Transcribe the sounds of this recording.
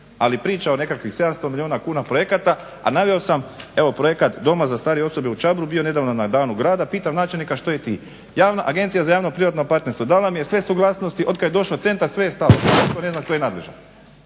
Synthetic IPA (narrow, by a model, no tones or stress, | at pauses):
alipɾiːt͡ʃao̞ne̞kakʋixse̞d̪amst̪o̞milʲioːnakuːnapɾo̞je̞kat̪a | a̰naʋeosame̞ʋopɾojekat̪d̪o̞mazast̪aːɾijeoso̞beut͡ʃabɾubijo̞ne̞d̪aːʋnonad̪aːnuɡɾaːd̪apiːt̪amnaːt͡ʃelnikaʃt̪o̞jet̪ḭː | jaːʋnaʔaɡe̞nt̪sijazajaːʋno̞pɾiʋat̪nopaɾt̪neɾst̪ʋo̞d̪aːlˠamije̞sʋe̞suɡlˠasno̞st̪iʔo̞d̪kad̪jd̪o̞ʃlot̪se̞nt̪aɾsʋe̞jest̪aloit̪one̞znaʃk̪o̞jenad̪leʒa̰